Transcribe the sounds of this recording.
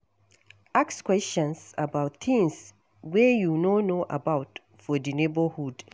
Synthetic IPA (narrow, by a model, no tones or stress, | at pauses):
ʔakskwɛstɔ̃nsabaʊtθɪ̃ŋs | wɛjunonoʔa̰bawt | fɔdinebəhud